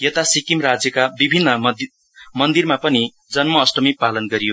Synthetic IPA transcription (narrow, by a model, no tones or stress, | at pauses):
jʌt̪asikimrad͡zjʌkabibʱinːʌ | mʌnd̪irmapʌni | d͡zʌnmʌːsʈʌmipalʌnɡʌɾijo